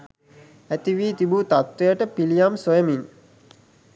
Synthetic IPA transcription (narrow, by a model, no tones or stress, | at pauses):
æt̪iʋiːt̪ibut̪at̪ːʋejəʈəpilijamsojəmiŋ